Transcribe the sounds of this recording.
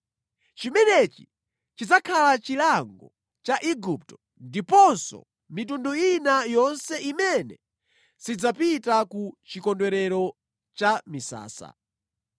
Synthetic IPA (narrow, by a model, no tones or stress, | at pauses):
t͡ʃimɛnɛt͡ʃi | t͡ʃid͡zakʰalat͡ʃilaŋɡɔ | t͡ʃaʔiɡup̚tɔ̥ | ndipɔnsɔ̰ | mit̬unduinajɔnsɛʔimɛnɛ | sid͡zapitakut͡ʃikɔndwɛɾɛɾɔ | t͡ʃamisa̰ːsa̰